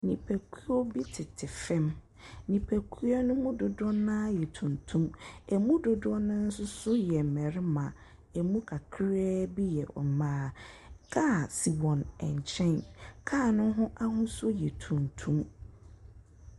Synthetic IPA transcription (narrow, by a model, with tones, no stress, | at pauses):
nĩ˨pʰæ˨kʰu˦ɔ˦bi˦tʰɪ˨tʰɪ˨fɛ̃˦m | nĩ˨pʰæ˨kʰu˦a˦nʊ̃˦mũ˦dʊ˨dɔ˦nãː˦jɛ˨tʰũ˨ntʰũ˦mɛ˨mũ˦dʊ˨dʊ˦ɔ˦nʊ̃˦n̩˦sʊ˦sʊ˦jɛ˨m̩˨mɛ˨ɾɪ˦mã˨ | ɛ˨mũ˦kʰa˨kʰɪ˦ɾɛː˦bi˦jɛ˨ʔɔ̰˨mãː˦kʰa˦˨si˨wɔ̃˨nɛ̰̃˨ɲ˨t͡ɕʰɛ̃˦nkʰaː˦˨nʊ̃˦ɦʊ̃˦ʔa˦ɦʊ̃˦sʊ˦jɛ˨tʰũ˨ntʰũ˦m